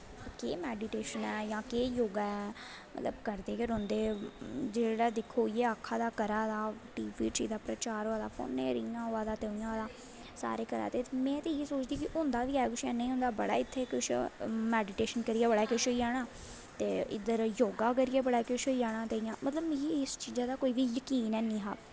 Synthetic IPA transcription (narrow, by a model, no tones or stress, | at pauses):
keːmɛːɖɪʈeːʃənɛːjãːkeːjoːɡaːɛː | mə̰t̪ləbkəɾd̪eːkəɾʊ̃ːnd̪eːd͡ʒeːɽaːd̪ɪkʰːoːiːɛːəkʰːaːd̪aːkəɾaːd̪aːʈiːpiːt͡ʃiːd̪aːpɾət͡ʃaːɾoːaːd̪aːpo̰ːneːɾiːãːɦoːaːd̪aːt̪eːʊ̃ãːd̪aː | sa̰ːɾeːkəɾa̰ːt̪eːmɛ̃ːt̪eːeːsoːt͡ʃd̪iːkɪɦʊnd̪aːʋiːɛːkʊʃɛːnĩːɦʊ̃nd̪aːbəɽa̰ːɪt̪ʰːeːkʊʃmɛːɖɪʈeːʃənkəɾiːɛːbəɽaːkɪʃoːiaːɽ̃aː | t̪eːɪ̰d̪əɾjoːɡaːk̬əɾiːɛːbəɽaːkɪʃoːiːaːɽ̃ãːt̪eijãːmət̪ləbjeɪst͡ʃiːzaːd̪aːkoːiːʋiːjəkiːnɛːnĩːɦaː